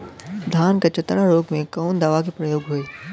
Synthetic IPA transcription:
d̪ʱaːnkat͡ʃɐt̪ːɽaɾoːɡmẽkɔːnd̪aːʋak̬ipɾɐjoːɡɦoeː

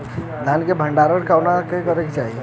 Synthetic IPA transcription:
d̪ʱankebʱə̃ɳɖaɾəɽkawnakekəɾekit͡ʃaːɦie

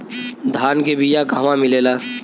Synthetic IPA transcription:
d̪ʱaːnkebijakaɦʋãmɪleːlaː

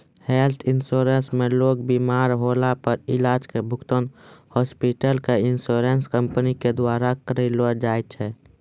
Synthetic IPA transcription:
helt̪ʰɪnsoːɾensmẽloːɡ̚biːmaːɾɦoːlapəɾɪlaːd͡ʒkebʱʊkt̪ənhɔːspiʈəlkeɪnsoːɾenskə̃mpəniked̪waːɾakəɾelod͡ʒaːet͡ʃʰɛː

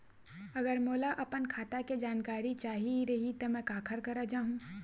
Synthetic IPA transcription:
ɐɡəɾmoːlaʔɐpənkʰaːt̪aked͡ʒaːnkaːɾit͡ʃaːɦiɾɐɦit̪omɛ̃kaːkʰəɾkɐɾad͡ʒaːɦũː

